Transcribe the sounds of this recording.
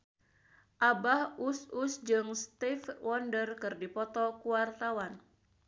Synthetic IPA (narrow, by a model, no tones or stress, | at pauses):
ʔabahususd͡ʒɨŋst̪ifwʔɔndərkɨrdipɔt̪ɔkuwart̪awan